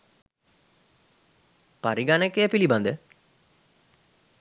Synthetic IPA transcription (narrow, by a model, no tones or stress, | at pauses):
paɾiɡanekːejəpiliband̪ə